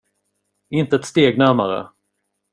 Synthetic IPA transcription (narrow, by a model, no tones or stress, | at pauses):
ɪnt̪əɛt̪st̪eːɡnæɾma̰ɾə̰